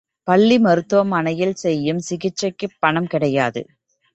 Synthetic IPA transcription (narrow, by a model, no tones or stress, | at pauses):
pɐɭːimɐɾɯt̪ːɯʋɐmɐnɐjɪlsɛjːɯmsɪɣɪt͡ʃːɐɪkːɯpːɐɳɐmkɪɽɐjaːðɯ̰